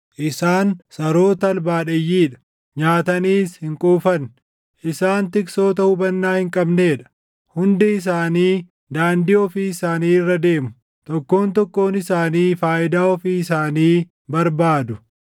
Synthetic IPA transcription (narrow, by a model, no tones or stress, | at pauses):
ʔɪsaːnsɐɾo̞ːt̪ɐlbaːᶑɐjːiːᶑɐ̥ | ɲaːt̪ɐniːshɪŋkʼuːfɐn | ʔɪsaːnt̪ɪkso̞ːt̪ɐhʊbɐnːaːhɪŋkʼɐbneːᶑɐ̥ | hʊnd̪ɛɪs̬aːniː | d̪aːnd̪ɪɔfiːɪsaːniːɪrːɐd̪e̞ːmʊ | t̪ɔkːo̞ːnt̪̬ɔkːo̞ːnɪsaːniːfaːʔɪd̪aːɔfiːɪs̬aːniː | bɐɾbaːd̪ʊ